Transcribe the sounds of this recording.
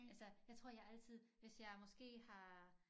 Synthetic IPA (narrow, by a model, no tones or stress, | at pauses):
ælsəjɑ̈ɪt͡sʰʁo̝ɐ̰jɑ̈æl̰t͡sʰið̞̰ˠʋe̝sjɑ̈ɪmɒ̽sɡ̥e̝̰ːhɑ̈